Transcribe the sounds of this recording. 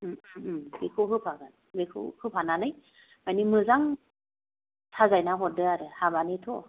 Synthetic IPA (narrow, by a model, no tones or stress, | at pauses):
mbekʰɯwɦɯpʰaɡan | bekʰɯ̰whɯpʰananɯj | majnimɯzaŋ | tʰazajnaɦɔdɯaɾɯhabanitʰɔ